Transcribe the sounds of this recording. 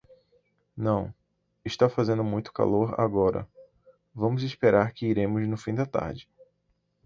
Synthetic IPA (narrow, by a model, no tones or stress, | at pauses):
nɐ̃w̃ | ɪʃt̪afazẽnd̪ʊmũj̃t̪ʊ̥ka̰loɾa̰ɡɔɾɐ̰ | vɐ̃mʊzɪspeɾaɾkɪiɾẽmʊznʊfĩd̪ɐt̪a̰ɾd͡ʒɪ